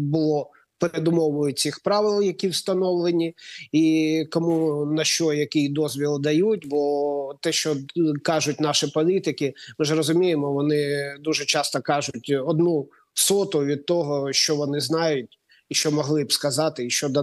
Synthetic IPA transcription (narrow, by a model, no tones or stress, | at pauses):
bʊlˠɔ | peɾed̪ʊmɔʋʊjʊt͡sʲixpɾɑʋɪlˠjɐkʲiwst̪ɐnɔʋlˠenʲiikɔmunɐʃt͡ʃɔjɐkʲijd̪ɔzʲʋʲilˠd̪ɐjut̚ʲbɔt̪ɛʃt͡ʃɔkɑʒʊtʲnɑʃɪpɔlʲit̪ɪkɪmɪʒrɔzʊmʲijemɔʋɔnɪd̪uʒɛt͡ʃɑst̪ɔkɑʒʊtʲɔd̪nu | sɔt̪ʊʋʲid̪̚t̪ɔɦɔʃt͡ʃɔʋɔnɪznɑjʊt̚ʲ | iʃt͡ʃɔmɔɦlˠɪbskɐzɑt̪ɪiʃt͡ʃɔd̪ɐ